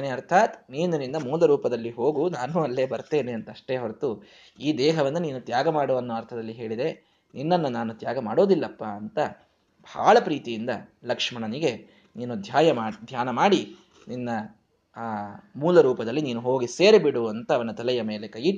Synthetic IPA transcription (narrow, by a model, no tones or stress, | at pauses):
neɐɾt̪ʰaːt̪niːnɐnind̪ɐmuːlɐɾuːpɐd̪ɐlːiɦo̞ːɡunaːnuɐlːe̞ːbɐɾt̪eːneɐnt̪ɐʂʈe̞ːɦɐɾt̪u | iːd̪ɛːɦɐʋɐnːɐniːnut̪jaːɡɐmaːɽuɐnːɐːɐɾt̪ʰɐd̪ɐlːiɦe̞ːɭid̪e̞ | ninːɐnːɐnaːnut̪jaːɡɐmaːɽo̞ːd̪ilːɐpːaːɐnt̪ɐ | bʱa̰ːɭɐpɾiːt̪ijind̪ɐlɐkʂmɐɳɐniɡe̞ | niːnud̪ʱjaːjɐmaːd̪ʱjaːnɐmaːɽi | ninːɐ | muːlɐɾuːpɐd̪ɐlːiniːnuɦo̞ːɡise̞ːɾebiɽuɐnt̪ɐːʋɐnɐt̪ɐlɛjɐme̞ːlekɐji